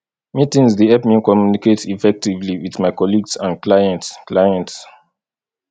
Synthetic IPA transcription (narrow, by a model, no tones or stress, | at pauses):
mitĩŋsdeɛpmĩkɔmjuniketifɛk̚tivliwiðmaɪkɔliɡsãnklajɛ̃ntsklajɛ̃nts